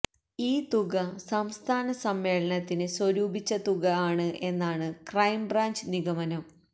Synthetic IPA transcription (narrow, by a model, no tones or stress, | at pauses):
iːt̪uɣɐsɐmst̪ʰaːnɐsɐmːe̞ːɭɐnɐt̪ːinɨswɐɾuːbit͡ɕːɐt̪uɣɐaːɳɨʔe̞nːaːɳɨkrɐjmbraːɲd͡ʑniɣɐmɐnɐm